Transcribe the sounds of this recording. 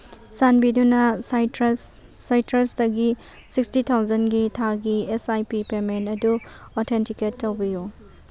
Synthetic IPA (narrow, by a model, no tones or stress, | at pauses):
sanbidunɐsajɾsː | ajtɾɐsdɐɡi | sikstitʰawzɐnɡitʰaɡiesajpipemenɐdu | ɔtʰentiketːɐwbiju